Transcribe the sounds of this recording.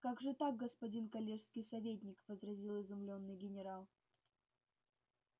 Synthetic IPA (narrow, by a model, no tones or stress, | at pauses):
kaɡʐɨt̪aɡ̚ɡəspɐdʲinkɐlʲeʂskʲɪjsɐvʲet̬ʲnʲɪkvəzɾɐzʲilˠɪzɪmlʲo̞nːɨjɡʲɪnʲɪɾalˠ